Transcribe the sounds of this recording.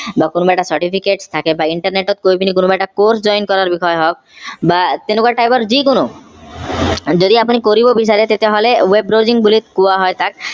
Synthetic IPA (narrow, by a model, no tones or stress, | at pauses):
bakonobajʈasaɾʈipʰikeʈst̪ʰakebaiɳʈaɾneʈot̪̚koibinikonobaʈakoɾsd͡ʑɔjnkɔɾaɾbixɔeɦɔk̚bat̪enokuaʈajbaɾd͡ʑikuno | d͡ʑod̪iap̬unikoɾibobiʃ̬aɾet̪et̪eɦolewebɾod͡ʑiŋbulit̪kuaɦɔet̪ʰak̚